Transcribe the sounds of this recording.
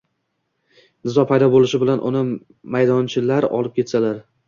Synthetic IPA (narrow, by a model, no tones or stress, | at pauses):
nɪzɒpʰajd̪ɒbolˠɪʃɪbɪlanʔʊ̰nɪ | majd̪ɒnt͡ʃʰɪlaɾɒ̰lˠɪp̚kʲe̞t̪salaɾ